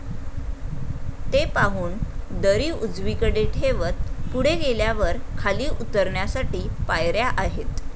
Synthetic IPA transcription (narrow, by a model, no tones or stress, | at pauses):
t̪epaɦuːnd̪əɾiːud͡zʋikəɽeʈɦeʋət̪̚puɽ̤eɡeljaʋəɾkʰaliːʔut̪əɾɳjasaʈiːpajɾjaʔaɦet̪